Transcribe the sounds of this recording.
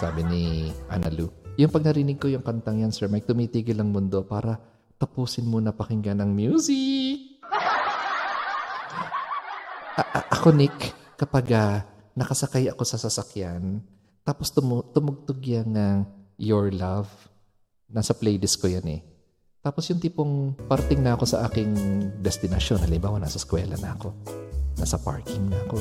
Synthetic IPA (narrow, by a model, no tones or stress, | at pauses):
sa̰ːbɪniʔa̰nɐlujʊŋpɐɡ̚nɐɾinɪɡ̚ko̞jʊŋkɐnt̪ɐŋjansɛɹmɐj̚t̪ʊmiːt̪iːɡɪlɐŋmʊnd̪o̞paːɾɐ | t̪ɐpuːsɪnmonɐpɐhɪŋɡɐnɐŋmjuːsi | ʔʔʔɐkonɪkː | ɐpaɡa | nɐkɐsɐkajɐko̞sɐsɐsɐkjan | t̪aːpost̪ʊmt̪ʊmʊɡ̚t̪oɡjaŋɐŋjoɹlav | nasɐplɛjd̪ɪskojanɛ̰ | t̪aːposjʊŋt̪iːpoŋpɐɾt̪ɪŋnɐʔɐko̞sɐʔa̰ːkɪŋd̪ɛst̪ɪnɐʃjonɐlɪmbaːwɐna̰sɐskwɛːlɐ̰nɐɐko̞nasɐpa̰ɹkɪŋnɐɐko